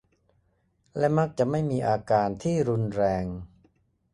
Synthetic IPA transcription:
lɛ˦˥ma˦˥k̚t͡ɕa˨˩ʔma˥˩jmiː˧ʔaː˧kaː˧nt̪ʰiː˥˩ɾu˧nɾɛː˧ŋ

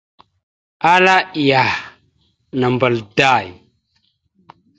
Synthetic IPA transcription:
a˦la˦i˨ja˨ | na˨mba˨lda˦˨j

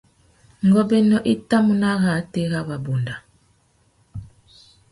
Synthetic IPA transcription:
ŋɡɔ˦bɛ˦nɔ˦ʔi˦ta˦mu˨na˦ɣa˨˦te˦ɣa˦βa˨bu˨nda˨

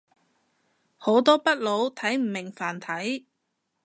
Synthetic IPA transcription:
ho˨˥wt̪ɔː˥pɐ˥t̚lo˨˧wt̪ʰɐ˨˥jm̩˨˩mɪ˨˩ŋfaː˨˩nt̪ʰɐ˨˥j

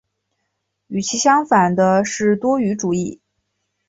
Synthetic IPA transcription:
y˨˩t͡ɕʰi˧˥ɕjɑ˥ŋfa˨˩nd̪ə˦ʂɻ̩˥˩t̪wɔ˥y˧˥ʈ͡ʂu˨˩i˥˩

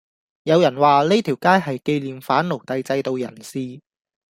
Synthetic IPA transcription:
jɐ˨˧wjɐ˨˩nwaː˨le˥t̪ʰiː˨˩wkaː˥jɦɐ˨jke˧jliː˨mfaː˨˥nlo˨˩wt̪ɐ˧jt͡sɐ˧jt̪o˨wjɐ˨˩nsiː˧

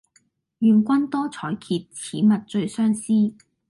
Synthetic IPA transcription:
ɥyː˨nkʷɐ˥nt̪ɔː˥t͡sʰɔː˨˥jkʰiː˧t̚t͡sʰiː˨˥mɐ˨t̚t͡ʃɵ˧ɥsœː˥ŋsiː˥

